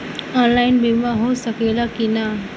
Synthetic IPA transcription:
ɔnlaɪnbʱimãɦosəkelakina

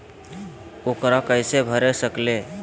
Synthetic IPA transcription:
okɾakəɪsebʱəɾesəkle

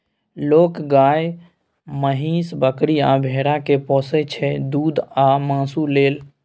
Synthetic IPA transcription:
lokɡaj | məɦisbəkɾiabʱeɾakepɔ̃sɛt͡ʃʰɛd̪uːd̪ʱamãsuleːl

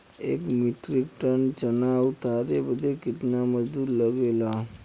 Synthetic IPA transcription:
ekmiʈɾikʈəɳt͡ɕənawt̪aɾebəd̪ʱːekit̪naməd͡ʒd̪uːɾləɡela

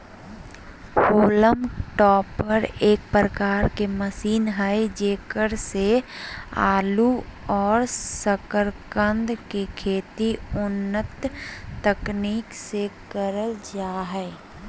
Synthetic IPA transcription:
hoːləmʈɔːpəɾeːk̚pɾəkaːɾkeməsiːnɦɛd͡ʒeːkəɾse | a̰ːluɔːɾsəkəɾkə̃nd̪kekʰeːt̪iʊnːət̪ːəkniːksekəɾəld͡ʒaːɦɛː

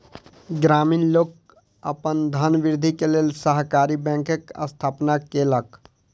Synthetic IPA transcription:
ɡɾaːmiːnloːk | əpənd̪ʱənʋɪɾd̪ʱikeleːlsəɦkaːɾibɛ̃ːŋkəkə̰st̪ʰaːpnakelək

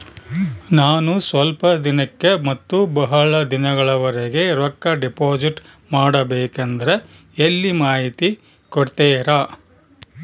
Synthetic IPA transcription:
naːnusʋɐlpɐd̪inɐkːe̞mɐt̪ːubɐɦɐɭɐd̪inɐɡɐɭɐʋɐɾeɡe̞ɾɐkːɐɖipoːd͡ʒiʈ | maːɽɐbeːkend̪ɐɾe | elːimaːɦit̪i | koɽt̪eːɾaː

